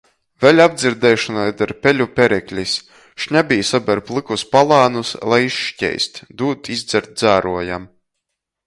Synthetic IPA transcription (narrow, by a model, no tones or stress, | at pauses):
vʲɛlʲabd̪zʲiɾd̪ɛːʃɔnajd̪aɾpʲɛlʲupʲɛɾɛkʲlʲis | ʃɲʲabʲijsabʲɛɾplˠɨkuspalˠaːnuslˠajiʃʃcʲɛ̰jst̪ʲd̪uːt̪izd̪zɛɾt̪̚d̪zæːɾuɔjam